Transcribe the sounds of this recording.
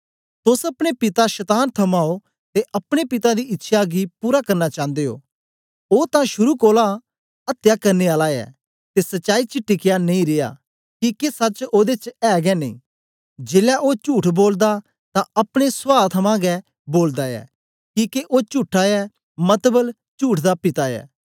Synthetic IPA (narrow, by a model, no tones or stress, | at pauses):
t̪ʊsɐpɽ̃epɪt̪aʃət̪aːnt̪ʰɐmaːo | t̪eʔɐpɽ̃epɪt̪ad̪iɪtːʃʰaɡipuːɾakɐɾnat͡ʃãːnd̪eːo̰ː | oːt̪ãʃʊɾukoːla | ɐt̪jakɐɾneaːlaɛ̰ː | t̪esɐtːʃaːit͡ʃɪʈːɪkɪjanɐ̃ĩɾɪja̰ː | kiːkesɐt͡ʃoːd̪et͡ʃɛːɡɛnẽḭ̃ː | d͡ʒeːlɛʔoːt͡ʃuːʈʰboːld̪a | t̪ãɐpɽ̃esʋaːɾt̪ʰɐmãɡɛ | boːld̪aɛ̰ː | kiːkeʔoːt͡ʃuːʈʰːaɛ | mɐt̪bəl | t͡ʃuːʈʰd̪apɪt̪aɛ̰ː